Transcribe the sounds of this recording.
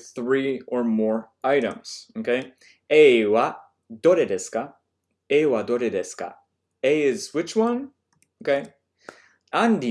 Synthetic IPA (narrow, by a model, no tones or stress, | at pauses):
θɹiə˞mɔɹ | aɪɾə̰̃mz̥okʰeɪ | ewa | d̥oɾedɛska | eɪwadoɾɛdɛska̰ | eɪɪzwɪt͡ʃwʌ̃n | okeɪ | ãndi